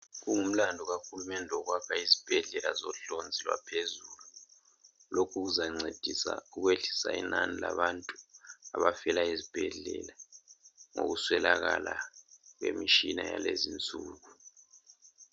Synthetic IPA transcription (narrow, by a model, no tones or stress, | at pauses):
ɣuŋum̩landʱɔɣaxulumɛndʱɛɔɣwakʰaizib̥ʱɛɮɛlazɔɬond͡zʱilwa̰pʰezulu | lokʰuɣuzaŋ͡ǀʱed̥ʱisa̰uɣweɮi̥saḭnanilaβantʼuaβafɛlaizib̥ʱɛɮɛla | ŋo̰ɣuswɛlaɣalaɣwḛmiʃinajalezint͡sʼuːɣu